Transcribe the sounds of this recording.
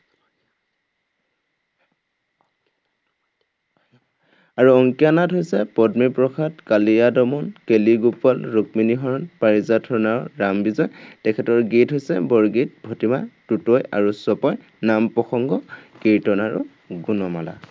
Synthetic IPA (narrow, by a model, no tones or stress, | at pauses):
aɹuɔŋkijanatɦojsɛpɔdmipɹɔkʰatkalijadɔmɔnkeliɡupːalɹukminiɦɔɹɔnpaɹizatʰɔnaɹɹambizɔjtɛkʰɛtɔɹɡitɦojsɛbɔɹɡit̚bʱɔtimatutɔja̰ɹusɔpɔj | nampɔxɔŋɡɔkiɹtɔnaɹṵ | ɡunɔma̰la̰